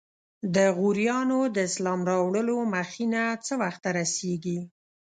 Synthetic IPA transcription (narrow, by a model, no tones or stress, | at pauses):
d̪əɣuɾjɑnod̪əɪslɑmɾɑwɽəlomaxinat͡səwaxt̪aɾaseɡi